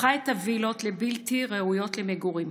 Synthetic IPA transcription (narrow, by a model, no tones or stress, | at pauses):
ajt̪avilo̞t̪lebilt̪iʁeujo̞tlemeɡuʁim